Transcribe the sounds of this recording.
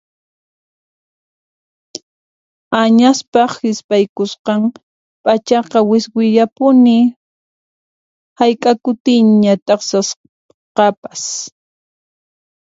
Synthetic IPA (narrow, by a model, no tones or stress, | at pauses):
aɲaspɑχhɪspajkʊsqɑm | pʼat͡ʃɑqɑwɪswɪʎapʊnɪ | hajkʼakʊt̪ɪɲɲat̪ʼɑχsas | qɑpḁs